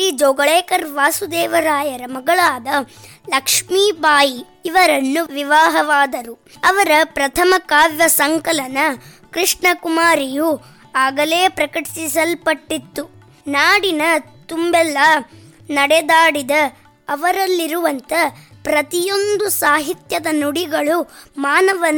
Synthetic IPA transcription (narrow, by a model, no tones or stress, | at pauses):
id͡ʒoːɡɐɭɛːkɐɾʋaːsud̪ɛːʋɐɾaːjɐɾɐmɐɡɐɭaːd̪ɐ | lɐkʂmiːbaːjiː | ʋɐɾɐnːuʋiʋaːɦɐʋaːd̪ɐɾu | ɐʋɐɾɐpɾɐt̪ʰɐmɐkaːʋjɐsɐŋkɐlɐnɐkɾiʂɳɐkumaːɾiju | aːɡɐle̞ːpɾɐkɐʈi̥sisɐlpɐʈːit̪ːu | naːɽinɐ | t̪umbɛlːɐ | nɐɽɛd̪aːɽid̪ɐː | ʋɐɾɐlːiɾuʋɐnt̪ɐ | pɾɐt̪ijo̞nd̪usaːɦit̪jɐd̪ɐnuɽiɡɐɭumaːnɐʋɐn